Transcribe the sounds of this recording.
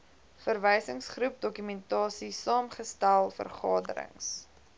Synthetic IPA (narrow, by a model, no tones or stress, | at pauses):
fərvəjsəŋsχrup̚dɔkymɛntɑːsisɑːmχəstælˠfə̰rχɑːdə̰ɾə̰ŋs